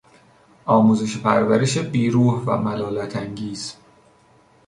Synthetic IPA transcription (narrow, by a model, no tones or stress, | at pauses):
ʔɒːmuːzeʃepʰæɾvæɾeʃebiːɾuːhvæ̰mælɒːlæt̪ʰæŋɟiːz̥